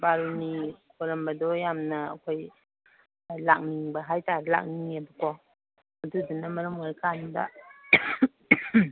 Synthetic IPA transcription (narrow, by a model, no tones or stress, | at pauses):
baɾunikʰoɾɐmbɐdɔjamnɐ̰ːkʰoj | lak̚niŋbɐɦajtaɾila̰k̚niŋebɐkɔ | ɐdudunɐmɐɾɐmaɾkʰanda̰